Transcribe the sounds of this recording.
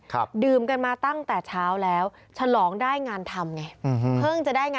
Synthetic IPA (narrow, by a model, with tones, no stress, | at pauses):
kʰdɯː˨˩mka˧nmaː˧t̪a˥˩ŋt̪ɛː˨˩t͡ɕʰaː˦˥wlɛː˦˥w | t͡ɕʰa˧lɔː˩˦ŋdaː˥˩jŋaː˧nt̪ʰa˧mŋa˧jpʰɤː˥˩ŋt͡ɕa˨˩ʔdaː˥˩jŋaː˧